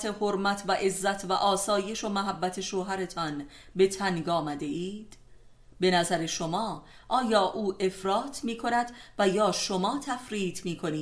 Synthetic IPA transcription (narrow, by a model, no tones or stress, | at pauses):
t̪ʰe̞hoɾmæt̪ʰvæʔe̞zːæt̪ʰvæ̰ʔɒːsɒːje̞ʃo̞mæɦæbːæt̪ʰe̞ʃoːɦæɾe̞t̪ʰɒn | be̞t̪ʰænɡɒːmæd̪e̞iːd̪̥ | be̞næzæɾe̞ʃo̞mɒː | ʔɒːjɒːʔuːʔe̞fɾɒːt̪ʰmiːkʰo̞næd̪væjɒːʃo̞mɒːt̪ʰæfɾiːt̪ʰmiːkʰo̞niː